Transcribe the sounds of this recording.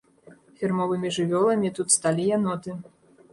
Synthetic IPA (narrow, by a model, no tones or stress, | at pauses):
fʲirmɔvɨmʲiʐɨvʲɔlˠɐmʲit̪ut̪st̪alʲijanɔt̪ɨ